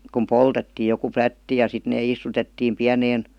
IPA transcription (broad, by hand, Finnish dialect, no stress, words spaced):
kum poltetːiː joku plætːi jɑ sit neː istutetːiːm piæneːn